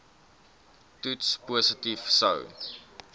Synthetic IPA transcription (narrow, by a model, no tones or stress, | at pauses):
tutspuːsətifsɐ̰w